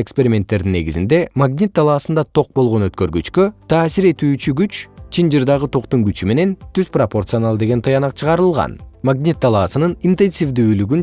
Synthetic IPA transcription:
ekspe̞ɾʲimʲe̞nt̪ːe̞ɾd̪inːe̞̰ɡizḭnd̪e̞maɡnʲit̪̚ːɑlˠɑːsɯnd̪ɑt̪ʰo̞q̚bo̞lˠʁo̞nøt̪kø̞ɾɡyt͡ʃkøt̪ʰaːsiɾe̞t̪yːt͡ʃyɡyt͡ʃt͡ʃʰind͡ʒɯɾd̪ɑʁɯt̪ʰo̞qt̪uŋɡyt͡ʃyme̞ne̞nt̪yzpropo̞rt̪sɨo̞nalˠd̪e̞ɡe̞nt̪ʰɨjɑnɑqt͡ʃʰɯʁɑɾɯlˠʁɑ̰nmaɡnʲit̪̚ːɑlˠɑːsɯnɯnint̪e̞nsʲivd̪yːlyɡyn

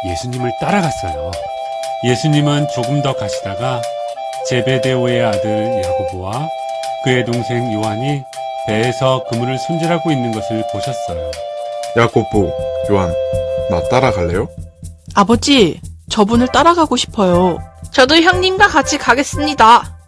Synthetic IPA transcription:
je̞sʰuɲimɯɭt͈aɾaɡas͈ʌjo | je̞sʰuɲimɯnt͡ɕoɡɯmdʌkaɕʰidaɡa | t͡ɕe̞be̞de̞oeadɯɭjaɡobowa | kɯe̞toŋsʰe̞ŋjowɦaɲi | te̞ːsʰʌkɯmuɾɯɭsʰʌnd͡ʑiɾɦaɡoinːɯnɡʌsʰɯɭpoɕʰʌs͈ʌjojaɡobokjoɦanma̰t͈aɾaɡaɭːe̞joabʌd͡ʑit͡ɕʌbunɯɭt͈aɾaɡaɡoɕʰi̥pʰʌjot͡ɕʌdoçjʌŋɲimɡwakat͡ɕʰikaɡe̞s͈ɯmɲida

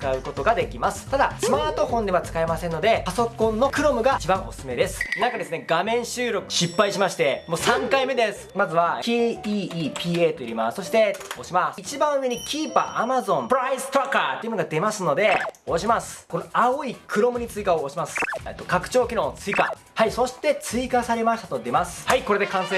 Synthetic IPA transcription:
ɨ̥kaɯ̟ko̞t̪o̞ɡad̪e̞kʲimasɨ̥t̪ad̪asɨmaːt̪o̞ɸõ̞nd̪e̞βat͡sɨ̥kae̞masẽnːo̞d̪e̞paso̞kõ̞nːo̞kɯ̟ɾo̞mɯ̟ɡat͡ɕibãɰ̃o̞sɨme̞d̪e̞sɨ̥nãŋkad̪e̞sɨne̞ɡamẽ̞ɰ̃ɕɨːɾo̞kɯ̟ɕipːaiɕimaɕi̥t̪e̞mo̞ːsãŋkaime̞d̪esɨ̥mazɨβakiiːpʲiːeːt̪ojiɾʲimasso̞ɕi̥t̪e̞oɕimasit͡ɕibãɰ̃ɯ̟e̞ɲ̟ikʲʰiːpa̰ʔamazõ̞mpɯɾaisɨ̥t̪oɾakːat̪ːe̞iɯnoɡad̪e̞masɨno̞d̪e̞oɕimasɨ̥ko̞noaoikʰɯ̟ɾo̞mɯ̟ɲ̟it͡sɨikaoːɕimasɨ̥et̪ːo̞kakɯ̟̥t͡ɕo̞ːkʲiɾõ̞t͡sɨika | haiso̞ɕi̥t̪e̞t͡sɨikasaɾe̞maɕi̥t̪at̪o̞d̪e̞masɨ̥haiko̞ɾe̞d̪e̞kãɰ̃sẽ

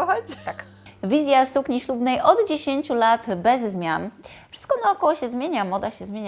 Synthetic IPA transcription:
xɔd͡ʑt̪ak | vʲizʲjasukɲiɕlubnɛjʔɔd̪d͡ʑeɕeɲt͡ɕulat̪bɛzːmʲjanfʂɨ̥st̪kɔnaɔkɔwɔɕɛzmʲjeɲamɔd̪aɕɛzmʲjeɲa

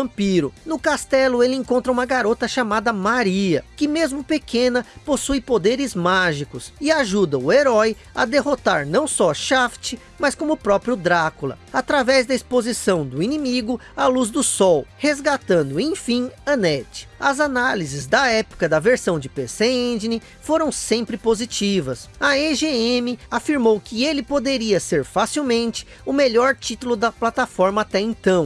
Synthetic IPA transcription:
ɐ̃mpiɾʊnʊkast̪ɛlʊelɪẽŋkõnt̪ɾɐũmɐɡaɾot̪ɐʃamad̪ɐmaɾiɐkɪmezmʊpekʰẽnɐposujpod̪eɾɪzmaʒikʊsɪaʒud̪ɐʊeɾɔj | ɐ̰d̪eɦot̪aɾnɐ̃w̃sɔʃaft͡ʃɪ | mɐskõmʊpɾɔpɾjʊd̪ɾakʊlɐ̰at̪ɾavɛzd̪ɐispozisɐ̃w̃d̪ʊinĩmiɡʊ | ɐluzd̪ʊsɔwhezɡat̪ɐ̃nd̪ʊẽj̃fĩɐnɛt͡ʃɪ̥ɐzanalizɪzd̪ɐɛpʊ̥kɐd̪ɐveɾsɐ̃w̃d͡ʒɪpeseẽd͡ʒɪnɪ | foɾɐ̃w̃sẽmpɾɪpozit͡ʃivɐsɐeʒeẽmɪafiɾmowkɪelɪpod̪eɾiɐseɾfasiwmẽnt͡ʃɪ̥ | ʊmeʎɔɾt͡ʃit̪ʊlʊd̪ɐplat̪afɔɾmɐat̪ɛẽt̪ɐ̃w̃

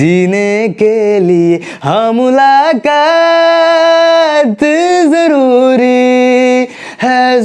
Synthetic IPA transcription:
iːnekelie | ɦɐmʊlaːkaː | t̪zɐɾuːɾi | hɛ

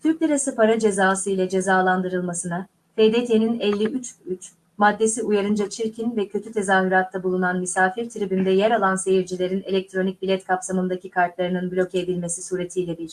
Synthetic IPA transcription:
t̪ʰyɾc̚d̪eɾasipʰaɾad͡ʒe̞zaːsɯilʲɛd͡ʒe̞zaːlˠand̪ɯɾɯlˠmasɯna | fed̪et̪ʰeninɛlʲːiʔyt͡ʃyt͡ʃ | mad̪ːe̞siujaɾɯnd͡ʒat͡ʃʰiɾcʰinvɛcʰø̞t̪ʰyt̪ʰe̞zaːɦyɾat̪ʰːabulˠunanmisaːfiɾt̪ʰɯɾibind̪ɛjɛɾalˠanse̞jiɾd͡ʒilʲe̞ɾine̞lʲɛk̚t̪ʰɾo̞nic̚bilʲɛt̪kʰapsamɯnd̪acʰikʰaɾt̪lˠaɾɯnɯnblʲo̞ced̪ilʲmesisuːɾe̞t̪ʰiːlʲɛb̪iɾ̥

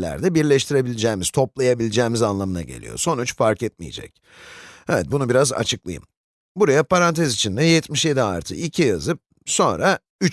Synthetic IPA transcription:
lʲæ̰ɾd̪ɛbiɾlʲɛʃt̪ʰiɾe̞bilʲid͡ʒɛːmiz̥t̪ʰo̞plˠajabilʲid͡ʒɛːmizanlˠamɯna̰ɟe̞̰lʲḭjo̰so̞nut͡ʃfaɾkɛt̪̚mḭjḛd͡ʒɛ̰c̚ | ɛvɛt̪̚bunubiɾaza̰t͡ʃʰɯklˠa̰jɯ̰m | buɾajapaɾant̪ʰɛzit͡ʃʰind̪ɛjɛt̪miʃje̞d̪ia̰ɾt̪ʰɯ̰icʰijazɯp̚ | so̞nɾa | yt͡ʃ

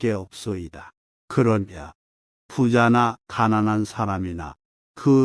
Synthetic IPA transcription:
k͈e̞ʌp̚s͈ʌida | kɯɾʌnma | pud͡ʑanakananɦansʰaɾamina̰ | kɯ

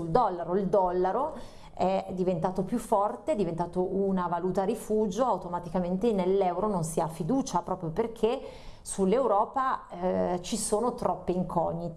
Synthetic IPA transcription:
uld̪ɔlːaɾoild̪ɔlːaɾo | ɛd̪ivent̪aːt̪opjufːɔrt̪eɛd̪ivent̪aːt̪oʔunavaluːt̪aɾifuːd͡ʒoawt̪omat̪ikament̪enelːɛwɾononsiafːid̪uːt͡ʃapɾɔːpɾjoperkʰe | sulːewɾɔːpa | t͡ʃisoːnot̪ɾɔpːeiŋkʰɔ̰ɲːit̪

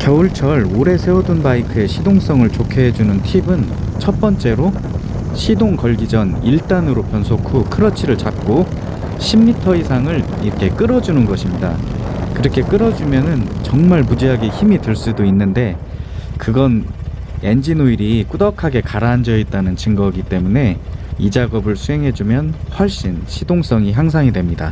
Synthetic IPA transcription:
kjʌuɭt͡ɕʰʌɭoɾe̞sʰe̞udunbaikʰɯe̞ɕʰidoŋs͈ʌŋɯɭt͡ɕokʰeɦed͡ʑunɯntʰibɯn | t͡ɕʰʌt̚p͈ʌnt͡ɕ͈e̞ɾo | ɕʰidoŋkʌɭɡid͡ʑʌniɭt͈anɯɾopʰjʌnsʰokʰukʰɯɾʌt͡ɕʰiɾɯɭt͡ɕap̚k͈o | ɕʰimːitʰʌisʰaŋɯɭ | iɾʌkʰe̞k͈ɯɾʌd͡ʑunɯnɡʌɕʰimɲida̰kɯɾʌkʰe̞k͈ɯɾʌd͡ʑumjʌnɯnt͡ɕʌŋmaɭmud͡ʑiɦaɡeçimitɯɭs͈udoinːɯnde̞kɯɡʌne̞nd͡ʑinoiɾik͈udʌkʰaɡe̞kaɾaːnd͡ʑʌit̚t͈anɯnt͡ɕɯŋɡʌɡit͈e̞mune̞id͡ʑaɡʌbɯɭsʰuɦe̞ŋɦe̞d͡ʑumjʌnɸwʌɭɕ͈inɕʰidoŋs͈ʌŋiçjaŋs̬ʰaŋidwemɲida̰

